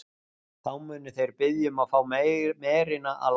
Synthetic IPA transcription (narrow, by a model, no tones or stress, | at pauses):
θawmʏːnʏθejɾpɪðjʏmaðfaːwmɛːɾɪnaʔa̰ðl